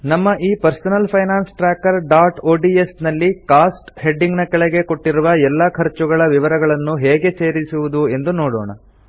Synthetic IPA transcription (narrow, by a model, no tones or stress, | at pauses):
nɐmːɐʔiːpɐɾsɐnɐlpʰɐjnaːnsʈɾaːkɐɾɖaːʈoːɖiesnɐlːikaːsʈhe̞ɖːiŋɡnɐkɐɭɛɡe̞ko̞ʈːiɾuʋɐɛlːɐkʰɐɾt͡ʃuɡɐɭɐʋiʋɐɾɐɡɐɭɐnːuɦeːɡe̞se̞ːɾisuʋud̪ue̞nd̪unoːɽɔ̰ːɳɐ̰